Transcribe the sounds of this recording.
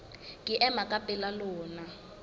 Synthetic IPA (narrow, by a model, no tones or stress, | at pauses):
kʼiʔɛmakʼapʼɛlalɔːna